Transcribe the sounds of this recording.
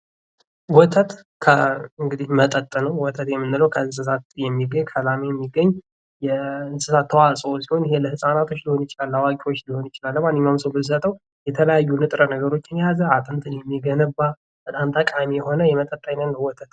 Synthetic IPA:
wɔt̪ʰət̪ | kʰəɨŋɡɨd̪ihmət̪ʼət̪ʼːənəwwɔt̪ʰət̪jɛmːɨnːɨləwkʰəɨnsɨsat̪jɛmːiɡːəɲkʰəlamejɛmːiɡːəɲː | jɛɨnsɨsat̪ʰːəwasʼəosiho̞njɪhe̞ləhɨsʼanat̪ʰo̞t͡ʃːliho̞nɪt͡ʃɪlalːawakʼio̞t͡ʃːliho̞njit͡ʃɪlalːəmanːɨɲmamsəwbɨsət̪ʼəw | jɛt̪ʰələjajːunɨt̪ʼɾənəɡəɾo̞t͡ʃːɪnjazəat̪ʼɨnt̪ʰɨnjɛmːiɡənɨbːa | b̥ət̪ʼamt̪ʰəkʼamijɛho̞nəjɛmət̪ʼət̪ʼːəjnənnəwɔt̪ʰət̪

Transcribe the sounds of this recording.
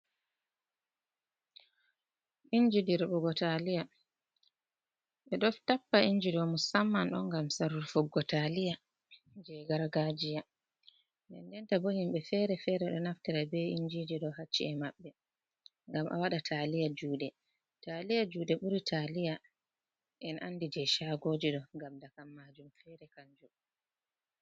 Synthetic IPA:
iɲd͡ʒidiɾɓɔɡɔtalija | ɓɛɗɔftapːaiɲd͡ʒiɗɔmusamːanɗɔ̰ŋɡamsaɾuɾfɔɡɔtalija | d͡ʒɛɡaɾaɡad͡ʒija | ndɛndɛntabohimɓɛfɛːɾɛfɛɾɛɗɔnaftɛɾabɛiɲd͡ʒid͡ʒiɗɔhat͡ʃːḭɛmaɓːɛ | ŋɡamʔa̰waɗatʰalijad͡ʒuːdɛ | talijad͡ʒuːdɛɓuɾitʰalija | ʔɛnʔanːdid͡ʒɛʃaːɡod͡ʒiɗɔŋɡamdakamːaːd͡ʒumfɛɾɛkaɲd͡ʒu

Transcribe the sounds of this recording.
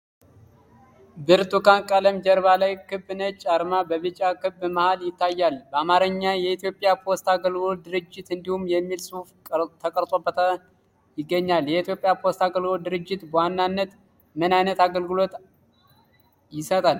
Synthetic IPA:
bɨɾt̪ʼukankʼaləmd͡ʒɛɾβalajkʰɨbːɨnət͡ʃʼaɾmabəβɨt͡ʃʼakɨbːmahaljɪt̪ʰːajːalbəamaɾəɲːajɛit̪jo̞pʼːjapʰo̞st̪aɡəlɡod̪ɨɾɨd͡ʒːɪt̪ɨnd̪ihumjɛmːilsɨuft̪ʰəkʼəɾt̪ʼobːət̪ʰa | jɪɡːəɲːaljɛit̪jo̞pʼjapʰo̞st̪aɡəlɡod̪ɨɾɨd͡ʒːɪt̪bəwanːanːət̪ | mɨnajnət̪aɡəlɡɨlo̞t̪ | jɪsət̪ʼal

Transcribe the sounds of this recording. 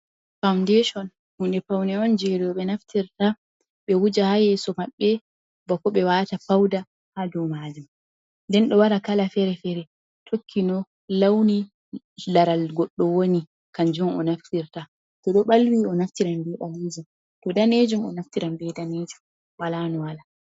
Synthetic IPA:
fawndɛʃɔn | hundɛfawnɛɔnd͡ʒɛɾɔɔɓɛnaftʰiɾta | ɓɛwud͡ʒahajɛsɔmaɓːɛ | bɔkːɔɓɛwatafawda | hadɔmad͡ʒum | ndɛnɗɔwaɾakalafɛɾɛfɛɾɛ | tʰokʰːinɔ | lawni | laɾalɡɔɗːɔwoni | kand͡ʒumɔ̰naftiɾta | tɔɗɔɓalwiɔnaftiɾambɛɓalid͡ʒum | tɔdaned͡ʒumɔ̰naftiɾambɛdaned͡ʒum | walanɔwala

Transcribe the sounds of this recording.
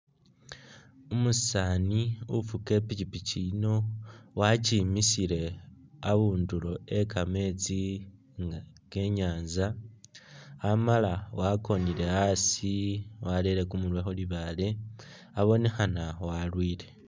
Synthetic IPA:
umussaniufuke̞picipicino̞wacimisiɾe̞aβuːndulo̞ekʰame̞t͡si | ŋ | ke̞ɲaːnza | malawako̞niɾe̞asiwaleɾe̞kumulwexoliβale̞ | aβo̞nexanawalwiːle̞

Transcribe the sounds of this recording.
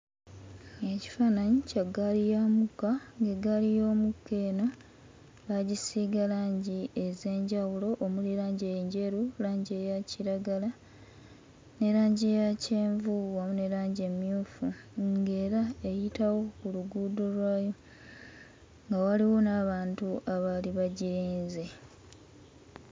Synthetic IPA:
e̞ci̥fanaɲicaɡalijamukaŋɡe̞ɡalijo̞ːmukːe̞ːno | ɡaɟisiɡalaːɲɟie̞ze̞ːɲɟawulo̞ʔːmuliɾaːɲɟejeɲɟe̞ɾulaːɲɟe̞jaciɾaɡala | ne̞ɾaːɲɟie̞jaceːɱvuβamune̞ɾaːɲɟe̞mjuːfuŋɡe̞ːɾae̞jitawo̞kuluɡuːdo̞lwaːjo̞ | ŋɡawaliwo̞naβaːntuʔaβaliβaɟiɾiːnze̞

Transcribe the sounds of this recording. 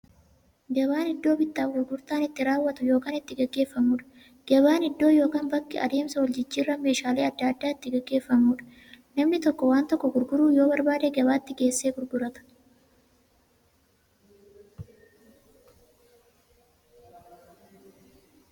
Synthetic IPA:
ɡɐβaːnɪd̪ːo̞ːbɪt̪ːaːfɡʊɾɡʊɾt̪aːnɪt̪ːɪɾaːwːɐt̪ʊjo̞ːkaːnɪt̪ːɪɡɐɡːe̞ːfːɐmuːᶑɐ̥ | ɡ̥ɐbaːnɪd̪ːo̞ːjo̞ːkaːnbɐkːɪɐ̰d̪e̞ːmsɐwɐld͡ʒɪt͡ʃːiːrːɐme̞ːʃaːleːɐd̪ːɐɐd̪ːaːɪt̪ːɪɡɐɡːe̞ːfːɐmuːᶑɐ̥ | nɐmnɪt̪ɔkːɔwaːnt̪ɔkːɔɡʊɾɡʊɾuːjo̞ːbɐɾbaːd̪eːɡɐbaːt̪ːɪɡe̞ːsːe̞ːɡʊɾɡʊɾɐt̪ɐ̥

